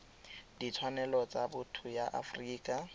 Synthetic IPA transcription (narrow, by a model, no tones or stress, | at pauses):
dit͡sʰwanɛlɔt͡sabʊtʰʊjaʔa̰friːkʼa